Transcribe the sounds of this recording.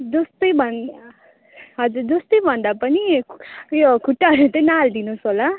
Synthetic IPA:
d͡zʌst̪ʌjbʱʌn | ɦʌd͡zurd͡zʌst̪ʌjbʱʌnd̪apʌni | jokʰuʈːaɾut̪ʌjnald̪inusɦola

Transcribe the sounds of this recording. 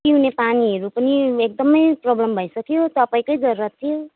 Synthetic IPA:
iɦunepaniɦʌɾupʌniek̚d̪ʌmʌjprʌblʌmbʱʌjsʌkjot̪ʌpaĩkʌjd͡zʌrrʌt̪ʰijo

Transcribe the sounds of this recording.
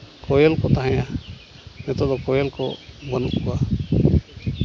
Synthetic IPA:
kɔjɛlkɔt̪aɦãja | mɛt̪ɔd̪ɔkɔjɛlkɔ̰mənuʔkuwa

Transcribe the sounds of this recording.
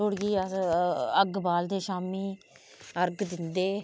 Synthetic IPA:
oɽɡiːə | əɡbaːld̪eːʃaːmiː | əɾɡd̪ɪnd̪eː

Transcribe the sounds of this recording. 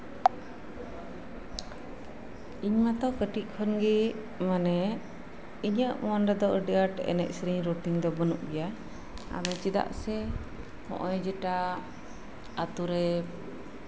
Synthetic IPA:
iɲmat̪ɔkəʈit̪̚ˀkʰɔnɡi | manɛ | iɲəʔmɔanɾɛd̪ɔʔəɖiaʈɛ̰nɛ̰ʔ̚sɾiɲɾuʈiŋd̪ɔbənuʔɡɛja | a̰d̪ɔt͡ʃɛd̪a̰ʔsɛ | hɔ̰̃ʔɔjd͡ʒɛʈa | at̪uɾɛ

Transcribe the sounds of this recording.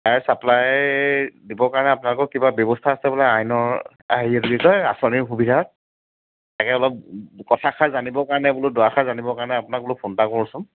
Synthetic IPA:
tajsaplaj | dibɔkaɹɔnɛapʊnalʊkɔkibabjɔbɔstʰaasɛbɔlaajnɔɹ | a̰ɦiɛduɡikɔja̰sɔniɹxubidʱaɔt̚ | takɛɔlɔp̚kɔtʰaxʰazanibɔkaɹnɛbʊlʊdɔaxazanibɔkaɹnɛapʊnak̚bʊlʊpʰontakɔɹɔsʊm

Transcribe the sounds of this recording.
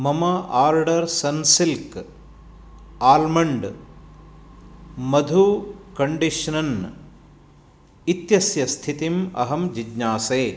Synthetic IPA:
mɐmɐaːɾɖɐɾsɐnsilk | aːlmɐɳɖ | mɐd̪ʱukɐɳɖiʃɐnɐn | it̪jɐsjɐst̪ʰit̪imɐ̰ɦɐmd͡ʒidɲaːseː

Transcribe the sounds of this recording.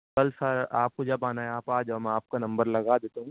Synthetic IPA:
kɐlsəɾa̰ːp̚kod͡ʒɐbaːnaeaːpaːd͡ʒamɛ̃aːp̚kanɐ̃mbəɾlɐɡad̪eːt̪aɦũ

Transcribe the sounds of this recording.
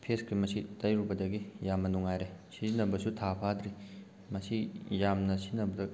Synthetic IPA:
pʰeskimɐsitɐjɾubɐdɐɡijamːɐnuŋajɾesizinɐbɐsutʰapʰad̪ɾi | mɐsijamnɐsinɐbɐdɐ

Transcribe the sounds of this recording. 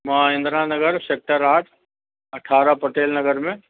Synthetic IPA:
mɐɦãɪ̃nd̪ɾaːnɐɡəɾseːk̚ʈəɾaːʈ | ɐʈʰaːɾapɐʈeːlnɐɡəɾmẽ

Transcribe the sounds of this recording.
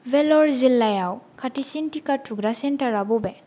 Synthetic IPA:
vɛlɔɹzilːajawkʰatisintikatʰuɡɾasɛntaɹabɔbɛ

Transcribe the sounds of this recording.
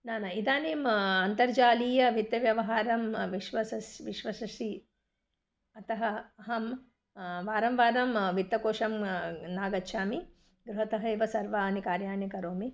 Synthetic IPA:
naːnaid̪aːneːmɐnt̪ɐɾd͡ʒaːliːjɐʋit̪jɐʋjɐʋɐɦaːɾɐmʋiʃʋɐsɐsʋiʃʋɐsɐʃi | ɐt̪ɐɦɐɐɦɐm | ʋaːɾɐmʋaːɾɐmʋit̪jɐkoːʂɐmnaːɡɐtːʃʰaːmi | ɡɾuɦɐt̪ɐɦɐiʋɐsɐɾʋaːnikaːɾjaːnjɐkɐɾoːmi

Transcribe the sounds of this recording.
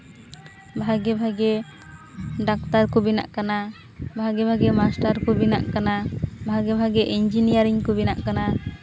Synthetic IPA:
bʱaɡɛbʱaɡɛ | ɖakt̪aɾkɔbina̰ʔkana | bʱaɡɛbʱaɡɛmasʈaɾkɔbina̰ʔkanabʱaɡɛbʱaɡɛʔiɲd͡ʒinijaɾiŋkɔbina̰ʔkana

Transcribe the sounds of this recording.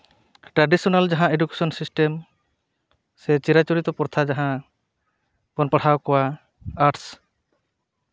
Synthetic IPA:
ʈɾaɖisɔnald͡ʒaɦãeɖuke̥sɔnsisʈem | sɛt͡ʃiɾat͡ʃuɾit̪ɔpɔɾt̪ʰad͡ʒaɦã | bɔnpaɽ̤ʰawkɔwa | aɾʈs

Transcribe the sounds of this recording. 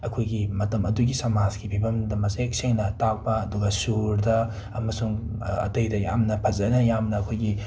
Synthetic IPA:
ɐkʰojɡimɐtɐmɐduɡisɐmazɡibʱibɐmdɐmɐsek̚seŋnɐtak̚pɐːduɡɐsuɾdɐ | ɐmɐsuŋɐ̰tɐjdɐja̰mnɐpʰɐzɐnɐjamnɐːkʰojɡi

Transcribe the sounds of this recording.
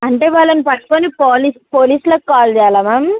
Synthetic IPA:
ɐɳʈe̞ːʋaːɭːɐnipɐʈːu̥konipoːlispoːliːslokkaːld͡ʒɛːjalaːmaːm

